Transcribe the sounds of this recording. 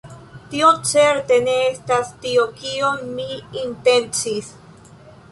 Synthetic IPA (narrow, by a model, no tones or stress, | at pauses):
tiot͡se̞ɾte̞neestastiokiomːiːnte̞nt͡sis